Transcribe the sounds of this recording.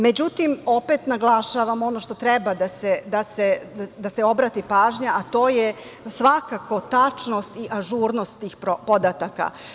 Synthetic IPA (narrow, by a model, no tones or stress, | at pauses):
med͡ʑut̪imo̞pet̪naɡlˠaʃaʋamo̞no̞ʃt̪o̞t̪ɾebad̪ased̪asead̪aseo̞bɾat̪ipaːʒɲaat̪o̞ːje | sʋakako̞t̪at͡ʂno̞st̪iʔaʒuɾno̞st̪ːiːxpopo̞d̪at̪aka̰